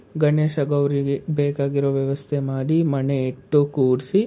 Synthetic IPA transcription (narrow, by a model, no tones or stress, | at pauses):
ɡɐɳeːʃɐɡɐʋɾiɡebeːkaːɡiɾoːʋjɐʋɐst̪ʰemaːɽimɐneːʈːukuːɽsi